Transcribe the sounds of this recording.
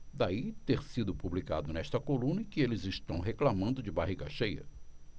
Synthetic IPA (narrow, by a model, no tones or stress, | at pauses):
d̪ait̪eɾsid̪ʊpublika̰d̪ʊnɛst̪ɐkolũnɐɪkɪelɪzɪʃt̪ɐ̃w̃ɦeklamɐ̃nd̪ʊd͡ʒɪbaɦiɡɐʃejɐ̰